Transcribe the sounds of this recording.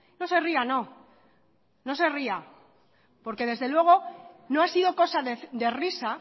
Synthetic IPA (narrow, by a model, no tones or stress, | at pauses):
no̞se̞riano̞ | no̞se̞ria | po̞ɾke̞ð̞e̞zðe̞lwe̞ɣ̞o̞no̞asiðo̞ko̞saðed̪e̞risa